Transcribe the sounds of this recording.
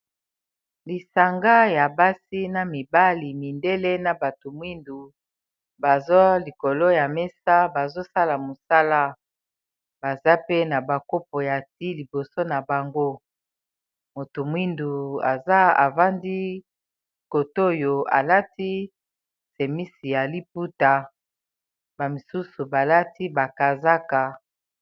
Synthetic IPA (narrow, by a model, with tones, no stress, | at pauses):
li˨sa˨ŋɡa˦ja˨ba˦si˦na˨mi˨ba˦li˨mi˨nde˦le˦na˨ba˨to˨mwi˦ndu˨ | ba˨zo˦li˨ko˨lo˦ja˨me˦sa˦ba˨zo˦sa˦la˨mo˨sa˦la˦ | b̥a˨za˦pe˦na˨ba˨ko˦p̚o˨ja˨ti˦li˨bo˨so˦na˨ba˨ŋɡo˦ | mo˨to˨mwi˦ndu˨a̰˨za˦a̰˨va˦ndi˦ | ko˨to˦˨jo˨a̰˨la˦ti˦ | se˨mi˦si˨ja˨li˦p̚u˦ta˨ | ba˨mi˨su˦su˨ba˨la˦ti˦ba˨ka˨za˦ka˨